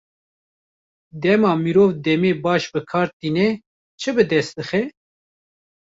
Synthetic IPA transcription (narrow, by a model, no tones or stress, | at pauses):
d̪ɛmɑːmiɾoːvd̪ɛmeːbɑːʃbɨkʰɑːɾt̪iːnɛ | t͡ʃʰɨbɨd̪ɛst̪̚d̪ɨxɛ